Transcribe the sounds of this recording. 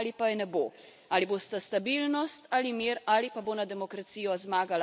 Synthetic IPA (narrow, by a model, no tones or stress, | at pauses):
lipajɛnɛboː | aːliboːst̪ast̪abilnɔst̪aːlimiːɾaːlipaboːnad̪ɛmɔkɾat̪sijɔzmaːɡal